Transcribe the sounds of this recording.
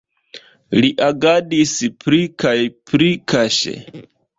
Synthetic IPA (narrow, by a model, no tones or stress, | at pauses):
liʔaɡadispɾikajpɾikaʃḛ